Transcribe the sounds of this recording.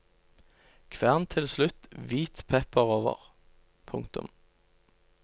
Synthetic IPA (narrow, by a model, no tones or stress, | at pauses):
kʰʋæːʁnt̪ʰɪlslʉt̪ʋiːt̪pʰɛpəʁoːʋə̰ʁ | pʰʊŋkt̪ʊ̰m